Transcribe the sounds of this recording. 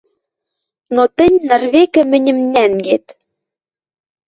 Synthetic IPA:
not̪ɘ̆nʲnɘ̆rβekɘ̆mɘ̆nʲɘ̆mnæŋɡet̪

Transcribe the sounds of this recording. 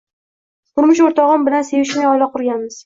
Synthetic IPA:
qʊɾmʊʃ̬oɾt̪ʰɒʁɨmbɪlanse̞vɪʃmaɒlˠaqʰʊɾɡʲanmɪz̥

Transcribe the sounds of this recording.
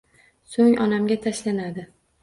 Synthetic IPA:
soŋʔɒnamɡʲat̪ʰaʃlanad̪ɪ

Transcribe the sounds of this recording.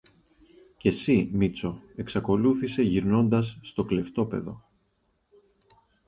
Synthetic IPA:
ce̞simit͡so̞e̞ksɐko̞luθise̞ʝiɾno̞nd̪ɐsːt̪o̞kle̞ft̪o̞pe̞̰ðo̞̰

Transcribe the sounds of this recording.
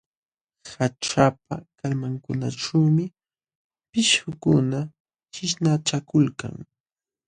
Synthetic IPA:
haʈ͡ʂap̚akalmaŋkʊna̰ʈ͡ʂawmɪ | pɪʃhʊkʊna | t͡ʃɪʃnaʈ͡ʂakʊlka̰ŋ

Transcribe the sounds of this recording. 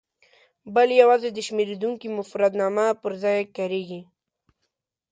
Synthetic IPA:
bəljawɑzed̪əʃmeɾed̪uŋkimʊfɾad̪nɑmapəɾzɑjkaɾeɡi

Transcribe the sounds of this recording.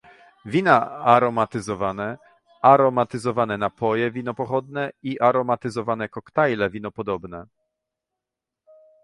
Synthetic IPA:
vʲinaaɾɔmat̪ɘzɔvanɛ | aɾɔmat̪ɘzɔvanɛnapʰɔjɛvʲinɔpɔxɔd̪nɛiʔaɾɔmat̪ɘzɔvanɛkɔkt̪ajlɛvʲinɔpɔd̪ɔbnɛ

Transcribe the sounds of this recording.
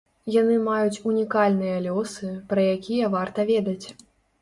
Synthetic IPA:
janɨmajut͡sʲunʲikalʲnɨjɐlʲɔsɨpɾɐjakʲʰijɐvart̪ɐvʲɛd̪ɐt͡sʲ

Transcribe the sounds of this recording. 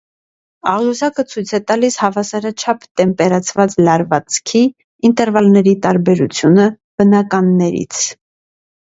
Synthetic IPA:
ɑʁjuzɑkət͡sʰujt͡sʰɛt̪ɑlishɑvɑsɑɾɑt͡ʃʰɑpʰt̪ɛmpɛɾɑt͡sʰvɑt͡slɑɾvɑt͡skʰi | int̪ɛɾvɑlnɛɾit̪ɑɾbɛɾut͡sʰjunə | b̥ənɑkɑnːɛɾḭt͡sʰ

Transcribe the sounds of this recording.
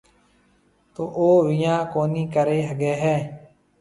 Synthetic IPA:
t̪oːʔoːʋɪjãːkoːniːkəɾeːɦəɡɛːɦɛː

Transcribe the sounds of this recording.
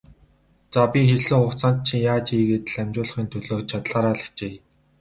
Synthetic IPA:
t͡sapʲixeɮɘ̆ŋχʊkt͡sʰaːnt̪̚t͡ɕʰiŋjaːt͡ɕiːɡeːt̪̆ɮæmʲt͡ɕʊːɮ̆χiːnt̪ʰɵɮoːt͡ɕʰat̪ɮaːɾaːɮə̆kt͡ɕeː

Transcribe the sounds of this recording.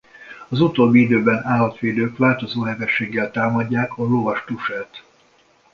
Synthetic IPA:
ɒzut̪oːbːiid̪øːbɛnaːlːɒt̪ʋeːd̪øːkʋaːlt̪o̞zoːɦɛvɛʃːeːɡːɛlt̪aːmɒɟːaːkʰɒlovɒʃt̪uʃɛːt̪

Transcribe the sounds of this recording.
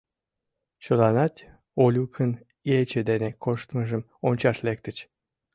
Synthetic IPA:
t͡ɕolɑnɑt̪ʲ | olʲukʰən | jet͡ɕed̪enekʰoʃt̪məʒəm | onʲt͡ɕɑʃlek̚t̪ət͡ɕ

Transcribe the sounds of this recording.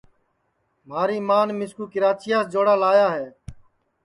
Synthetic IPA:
m̤aːɾiːmaːnmɪskuːkɪɾaːt͡ʃɪjaːsd͡ʒoːɽaːlaːjaːɦeː

